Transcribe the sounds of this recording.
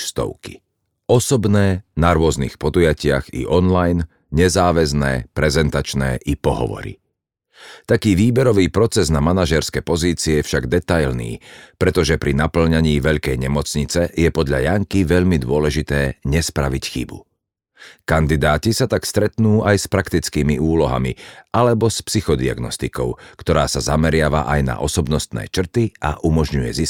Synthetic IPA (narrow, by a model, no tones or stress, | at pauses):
st̪ɔ̰ʊki̥ | ɔsɔbnɛːnaɾʊɔznḭxpɔd̪ujacɪaɣḭʔɔnlajn | ɲɛzaːʋɛznɛ̰ːpɾɛzɛnt̪at͡ʃnɛ̰ːʔipɔɦɔ̰ʋɔ̰ɾḭ | t̪akiːʋiːbɛɾɔʋiːpɾɔt͡sɛznamanaʒɛɾskɛpɔziːt͡siɛjɛfʃaɡd̪ɛt̪ajlnḭːpɾɛt̪ɔʒɛpɾinapl̩ɲaɲiːʋɛʎkɛjɲɛmɔt͡sɲit͡sɛjɛpɔd̪ʎa̰jaŋkiʋɛʎmid̪ʊɔlɛʒit̪ɛːɲɛspɾaʋicxḭbṵ | kand̪id̪aːcisat̪akst̪ɾɛt̪nuːajspɾakt̪it͡skiːmiuːlɔɦa̰miʔalɛbɔspsixɔd̪ia̰ɡnɔst̪ikɔ̰ʊkt̪ɔɾa̰ːsazamɛɾɪaʋa̰ʔajna̰ʔɔsɔbnɔst̪nɛ̰ːt͡ʃr̩t̪iʔa̰ʔumɔʒɲujɛ̰zis